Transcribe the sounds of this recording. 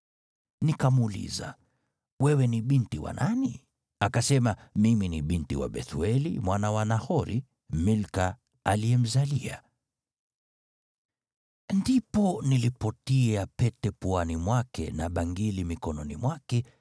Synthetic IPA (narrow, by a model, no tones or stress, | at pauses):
nikamulḭza̰ | wɛwɛniɓintiwa̰nʔani | akasɛmamiminiɓintiwa̰ɓɛ̰θuɛlḭmwanawanahɔɾi | milka | aliɛm̩zalia̰ | ndipɔnilipɔtiapɛtɛpuanimwakɛ̰naɓaŋɡilimikɔnɔnḭmwakɛ